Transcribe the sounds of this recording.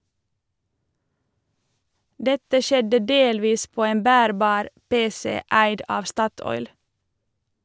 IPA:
ˈdɛtə ˈʃɛdə ˈdeːlʋiːs ˈpoː ˈeːn ˈbæːɾbɑːɾ ˈpeːsɛ ˈæɪd ˈɑːʋ ˈstɑtɔʏl

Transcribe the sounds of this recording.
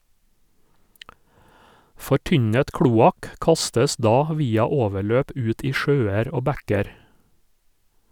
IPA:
fɔˈʈʏɲət ˈkɽuːɑk ˈkɑstəs ˈdɑː ˈʋiːɑ ˈoːʋəˌɭøːp ˈʉːt ˈiː ˈʃøːɛɾ ˈoː ˈbækɛɾ

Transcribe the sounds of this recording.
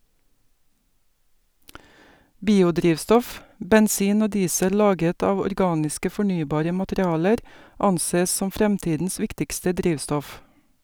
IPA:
ˈbiːʊˌdɾiːʋstɔf bɛnˈsiːn ˈoː ˈdiːsə ˈlɑːɡət ˈɑːʋ ɔɾˈɡɑːnɪskə fɔˈɳyːbɑːɾə mɑtəɾɪˈɑːləɾ ˈɑnˌseː ˈsɔm ˈfɾɛmˌtiːdn̩s ˈʋɪktɪkstə ˈdɾiːʋstɔf

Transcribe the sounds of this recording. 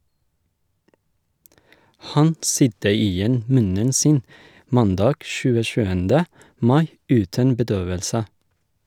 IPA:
ˈhɑn ˈsʏdə ˈiːˌjɛn ˈmʉnən ˈsiːn ˈmɑnˌdɑːɡ ʃʉːəˈʃʉːəndə ˈmɑɪ ˈʉːtən bəˈdøːʋəlsə

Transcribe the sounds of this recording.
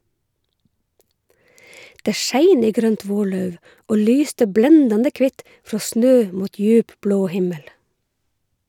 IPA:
ˈdeː ˈʃæɪn ˈiː ˈɡɾœnt ˈʋoːˌɭœʉʋ ˈʔoː ˈlyːstə ˈblɛndɑndə ˈkʋɪt ˈfɹoː ˈsnøː ˈmuːt ˈjʉːp ˈbloː ˈhɪməl

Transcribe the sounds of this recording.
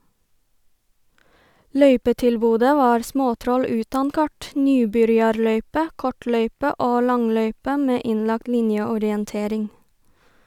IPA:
ˈlœʏpətɪlˌbuːdə ˈʋɑːɾ ˈsmoːˌtɾɔl ˈʉːtɑn ˈkɑʈ ˈnyːbʏɾjɑɾˌlœʏpə ˈkɔˌʈlœʏpə ˈoː ˈlɑŋˌlœʏpə ˈmeː ˈɪnˌlɑk ˈlɪnjəɔɾɪənˌteːɾɪŋ

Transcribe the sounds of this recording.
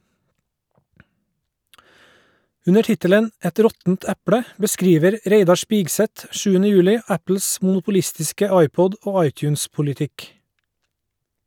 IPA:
ˈʉnə ˈʈɪtələn ˈɛt ˈɾɔtn̩t ˈæpɽə bəˈskɾiːʋəɾ ˈɾeɪdɑ ˈʃpɪɡsɛt ˈʃʉːənə ˈjʉːlɪ ˈæpl̩s mʊnʊpʊˈlɪstɪskə ˈɑɪˌpɔd ˈoː ˈɑɪˌtjʉːnspʊlɪˌtɪk

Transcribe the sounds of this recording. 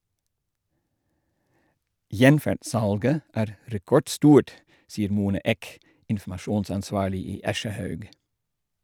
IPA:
ˈjɛnfæɖˌsɑlɡə ˈæːɾ ɾɛˈkɔɖˌstuːʈ ˈsiːəɾ ˈmuːnɑ ˈeːk ɪnfm̩ɑˈʃuːnsɑnˌsʋɑːɭɪ ˈiː ˈɑʃəˌhœʉɡ

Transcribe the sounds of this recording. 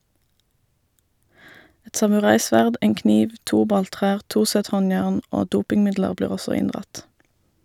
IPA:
ˈɛt sɑmʉˈʁɑɪˌsʋæʁd ˈeːŋ ˈkniːʋ ˈtuː ˈbɑlˌtʁæːʁ ˈtuː ˈsɛt ˈhɔnjæːʁn ˈoː ˈduːpɪŋˌmɪdləʁ ˈbliːʁ ˈɔsɔ ˈɪndʁɑt

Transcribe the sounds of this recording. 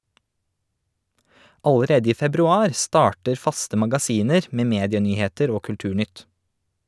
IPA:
ɑləˈɾeːdə ˈiː fɛbɾʉˈɑːɾ ˈstɑːʈəɾ ˈfɑstə mɑɡɑˈsiːnəɾ ˈmeː ˈmeːdɪəˌnyːheːtəɾ ˈoː kʉlˈtʉːˌɳʏt

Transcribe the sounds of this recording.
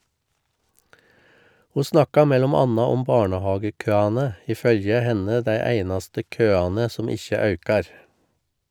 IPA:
ˈhuː ˈsnɑkɑ ˈmɛlɔm ˈɑnɑ ˈɔm ˈbɑːɳəˌhɑːɡəˌkøːɑnə ˈiː ˈfœljə ˈhɛnə ˈdæɪ ˈæɪnɑstə ˈkøːɑnə ˈsɔm ˈɪçə ˈɑʉkɑɾ

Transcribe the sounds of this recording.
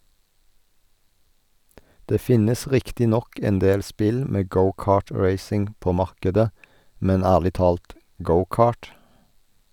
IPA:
ˈdeː ˈfɪnəs ˈʁɪktɪ ˈnɔk ɛnˈdeːl ˈspɪl ˈmeː ˈɡəʊˌkɑːˌʈɹeɪsɪŋ ˈpoː ˈmɑʁkədə ˈmɛn ˈæːʁlɪ ˈtɑːlt ˈɡəʊˌkɑːʈ

